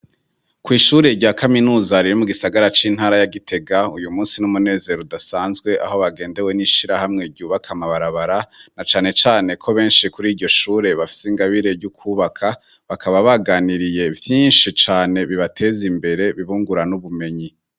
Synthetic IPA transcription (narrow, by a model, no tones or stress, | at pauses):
kwiːʃuːɾe̞ɾɟaːkaminuːzaɾiɾimuɡisaɡaɾat͡ʃin̥haːɾajaɡitʰe̞ɡaujumuːnsinumune̞ːze̞ɾodasaːnzɡwe̞ʔa̰ho̞βaɡe̞ːnde̞we̞niʃiɾahamŋe̞ɾɟuːβakʰamaβaɾaβaɾanat͡ʃaːne̞t͡ʃaːne̞kʰo̞βe̞ːnʃikuɾiːɾɟo̞ʃuːɾe̞βafi̥siŋɡaβiɾe̞ɾɟukʰuːβakʰa | βakʰaβaβaɡaniɾije̞vjiːnʃit͡ʃaːne̞βiβatʰe̞ːzimbe̞ɾe̞βiβuːŋɡuɾanuβume̞ɲi